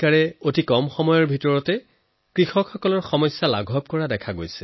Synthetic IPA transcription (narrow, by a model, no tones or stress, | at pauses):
kaɹɛotikɔmxɔmɔjɔɹbʱitɔɹɔtɛ | kɹixɔkxɔkɔlɔɹxɔmɔjsːala̰ɡʱɔb̚kɔɹadɛkʰaɡo̰jsɛ̥